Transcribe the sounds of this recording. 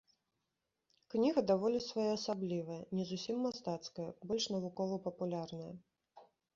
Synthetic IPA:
knʲiɣɐd̪avɔlʲisvajaɐsablʲivɐjɐnʲɛzusʲimːast̪at̪skɐjɐbɔlʲʂnɐvukɔvɐpɐpulʲarnɐjɐ̰

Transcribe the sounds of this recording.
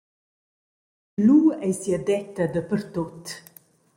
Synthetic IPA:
luɛjsiəd̪ɛt̪ːəd̪əpəɾt̪ot̪

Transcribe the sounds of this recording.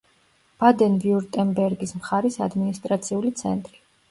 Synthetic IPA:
v̥ad̪ɛnviuɾt̪ʼɛmbɛɾɡismχaɾisa̰d̪minist̪ʼɾat̪sʰiulit̪sʰɛ̰nt̪ʼɾi

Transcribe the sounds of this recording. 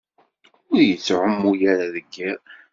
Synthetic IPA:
ʊɾjət͡sːʕəmːujæɾaðəɡːiɾ

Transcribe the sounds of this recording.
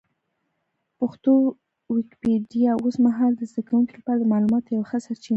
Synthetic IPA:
pʊxt̪o | wɪkpeɖijɑosmaɦɑld̪əzd̪akawuŋkilapɑɾad̪əmɑlumɑt̪ojawxəsaɾt͡ʃin

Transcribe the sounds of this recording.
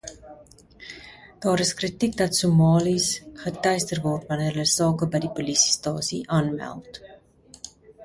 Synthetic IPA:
d̥ɑːɾəskrətik̚dɐtsumɑːlisχətɛjstərvɔrtvɐniərəsɑːkəbəjdipulisi̥stɑːsiʔɑːnmæ̰lˠt

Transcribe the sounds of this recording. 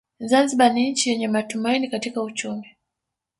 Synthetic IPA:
zanziɓaniɲ̩t͡ʃijɛɲɛmatumainikatikaut͡ʃumi

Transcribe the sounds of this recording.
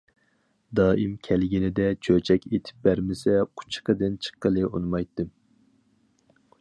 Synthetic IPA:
d̪ɑːʔimkʲʰælɡʲinɪd̪ɛt͡ʃʰøt͡ʃʰɛkʲʰet̪ʰɪ̥p̚bæɾmɪsɛqʰʊ̥t͡ʃʰqəd̪ɨnt͡ʃʰə̥qːəlˠɨʔunmɑjt̪ːɨm

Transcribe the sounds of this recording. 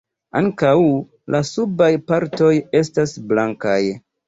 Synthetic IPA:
a̰ŋkaw | lʔasubajpaɾto̞je̞stasblaŋkaj

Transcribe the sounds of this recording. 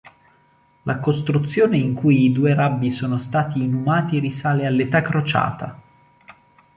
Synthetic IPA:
lʔakost̪ɾut̪sːjoːneiŋkujid̪uːeɾabːisoːnost̪aːt̪iːnumaːt̪ierisaːlealːet̪akːɾot͡ʃa̰ːt̪a̰

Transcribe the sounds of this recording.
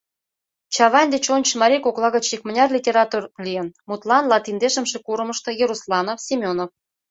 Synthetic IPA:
t͡ɕɑβɑnʲd̪et͡ɕonʲt͡ɕmɑɾʲikoklˠɑɣət͡ɕikmənʲɑrlʲitʲeɾɑt̪urlʲijənmut̪lɑnlɑt̪ind̪eʃə̆mʃekuɾə̆mə̆ʃt̪ɤ̆jeɾuslɑnofsʲimʲonof

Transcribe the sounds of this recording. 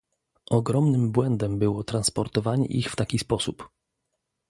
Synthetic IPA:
ʔɔɡɾɔmnɘmbwɛnd̪ɛmbɘwɔt̪ɾanspɔɾt̪ɔvaɲɛ̰ʔixft̪akʲispɔsup

